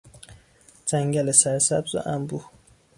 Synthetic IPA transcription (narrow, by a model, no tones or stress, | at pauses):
d͡ʒæŋɡælesæɾsæ̰bzo̰ʔæmbu